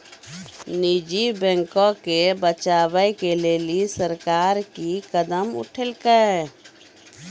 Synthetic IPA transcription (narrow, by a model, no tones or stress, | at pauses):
nid͡ʒibɛ̃ŋkõkebət͡ʃaːbəjkeleːlisəɾkaːɾkikəd̪əmʊ̰ʈʰəlkə